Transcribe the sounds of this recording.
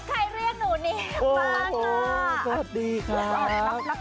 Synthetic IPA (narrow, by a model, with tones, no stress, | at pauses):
kʰa˧jɾi˥˩əŋ̚nuː˨˩niː˧˩ʔoː˧˩hːsa˨wa˨˩t̪̚diː˧kʰɾaː˦˥p̚